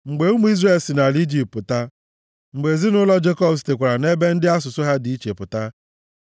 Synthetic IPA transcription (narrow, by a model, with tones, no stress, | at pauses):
ŋ͡m̩˨ɡ͡be˨˦u˦mu˦i˦zre˦˨lsi˨na˨li˦d͡ʒi˨ppʊ˨ta˦ | ŋ͡m̩˨ɡ͡be˨zi˦nʊ˦lɔ˦d͡ʒe˦kɔ˦bs̬i̥˨te˨kʷa˨ɾa˨ne˦be˦n̩˦dɪ˦a˦s̬ʊ˨sʊ˦ɦa˦di˨i˦t͡ʃe˨pʊ˨ta˦